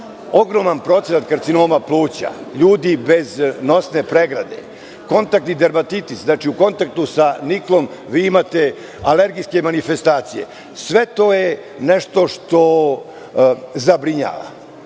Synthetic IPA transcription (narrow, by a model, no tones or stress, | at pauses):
o̞ɡɾo̞manpɾo̞t̪enat̪kaɾt̪sinoːmaplˠuːt͡ɕa̰ʎuːd̪ibe̞zno̞sne̞pɾeɡɾa̰d̪ḛ | ko̞nt̪ak̚t̪id̪eɾmat̪it̪isnaːt͡ʃiuko̞nt̪ak̚t̪usaniklo̞mʋiːimat̪e̞ | ale̞ɾɡijske̞manife̞st̪aːt̪sije̞̰ | sʋe̞t̪oje | neʂt̪o̞ʂt̪o̞ | zabɾiɲa̰ːʋa̰